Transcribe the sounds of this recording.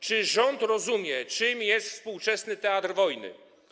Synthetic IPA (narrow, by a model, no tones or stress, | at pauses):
t͡ʂɘʐɔnt̪ɾɔzumʲjɛt͡ʂɘmjɛst̪fspuwt͡ʂɛsnɘt̪ɛat̪rvɔjnɘ̰